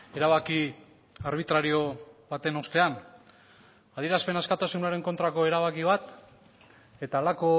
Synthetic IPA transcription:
e̞ɾaβaki | aɾβ̞it̪ɾaɾio̞βat̪e̞no̞st̪e̞an | aðiɾaspe̞naskat̪asunuaɾe̞ŋko̞nt̪ɾako̞e̞ɾaβakiβ̞at̪ | e̞t̪aːlako̞

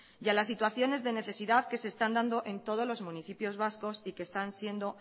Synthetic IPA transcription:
jalas̬ːit̪waθjo̞ne̞zðe̞ne̞θe̞siðaðke̞se̞ːst̪and̪and̪o̞ʔe̞nt̪o̞ð̞o̞zlo̞zmũniθipjo̞zβasko̞sikest̪ansje̞nd̪o̞

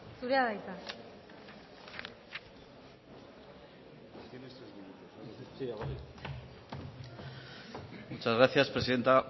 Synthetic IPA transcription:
suɾeaðajt̪a | t̪jenest̪ɾezminut̪osaiaβoɾi | mut͡ʃazɣɾaθjaspɾeiðent̪a

